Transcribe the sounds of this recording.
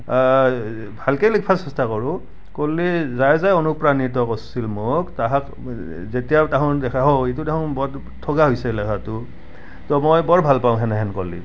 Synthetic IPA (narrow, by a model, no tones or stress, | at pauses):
bʱalkelik̚pʰasɛstakɔɹʊ̃ | kolːizajzajɔnupɹaniɹtɔkɔsilmoktaɦak | zetijataɦɔ̃dɛkʰaɦɔetudɛkʰɔ̃bɔd | tʰːoɡaɦojsɛlɛkʰatʊ | tɔmojbɔɹbʱalpaʊ̃ɦɛnɛɦɛnkolːḭ